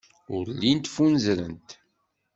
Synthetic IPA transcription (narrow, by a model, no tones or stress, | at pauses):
ʊɾlːint̪funzɾənt̪